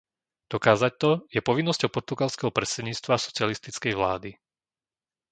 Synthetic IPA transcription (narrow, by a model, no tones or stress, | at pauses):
d̪̥ɔkaːzac̚t̪ɔjɛpɔʋinːɔscɔʊpɔɾt̪uɡalskɛɦɔpɾɛsɛd̪ɲiːt͡st̪ʋasɔ̥t͡sɪalist̪it͡skɛjʋlaːd̪i